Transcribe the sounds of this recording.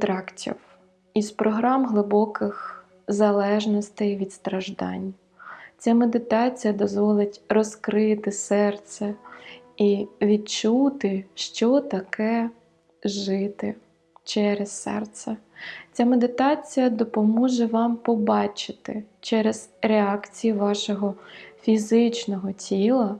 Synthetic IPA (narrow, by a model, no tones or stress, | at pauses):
t̪ɾɑktʲḭw | izpɾɔɦɾɑmɦlˠɪbɔkɪx | zɐlˠɛʒnɔst̪ɛjʋʲid̪st̪ɾɐʒd̪ɑ̰nʲ | t͡sʲamed̪ɪt̪ɑt͡sʲijɐd̪ɔzʋɔlˠɪtʲrɔskɾɪt̪ɪsɛrt̪sɛ | iʋʲid̪̚t͡ʃut̪ɪʃt͡ʃɔt̪ɐkʰɛ | ʒɪt̪ɪ | t͡ʃɛɾessɛ̰rt̪sɛt͡sʲamed̪ɪt̪ɑt͡sʲijɐd̪ɔpɔmɔʒɛʋɑmpɔbɑt͡ʃɪ̥t̪ɪt͡ʃɛɾezɾeɑkt͡sʲijiʋɑʃɔɦɔfʲizɪt͡ʃnɔɦɔtʲilˠɐ